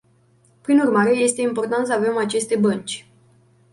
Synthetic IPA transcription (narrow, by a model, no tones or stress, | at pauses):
pɾinurmaɾe̞je̞st̪e̞impo̞rt̪ant̪səave̞mat͡ʃe̞st̪e̞bənt͡ʃʲ